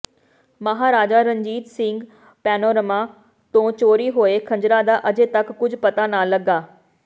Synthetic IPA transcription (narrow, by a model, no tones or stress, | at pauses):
məɦaːɾaːd͡ʒaːɾə̃ɲd͡ʒiːt̪sɪ̃ŋɡ | pɛːnoːɾəmaː | t̪õːt͡ʃoːɾiːɦoːekʰə̃ɲd͡ʒɾaːd̪aːʔəd͡ʒeːt̪ɐkːʊd͡ʒʱpət̪aːnaːləɡaː